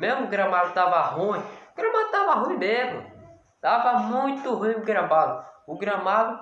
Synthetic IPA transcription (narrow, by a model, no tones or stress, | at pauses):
mezmʊɡɾɐ̃mad̪ʊt̪avɐɦũĩʊɡɾɐ̃mad̪ʊt̪avɐɦũĩmezmʊ̰ | t̪avɐmũj̃t̪ʊɦũj̃ɡɾɐ̃mad̪ʊʊɡɾɐ̃mad̪ʊ